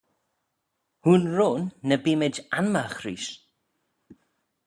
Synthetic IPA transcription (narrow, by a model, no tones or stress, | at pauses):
huːnɹoːnːəbiːmɪd͡ʒanmaxɾiːʃ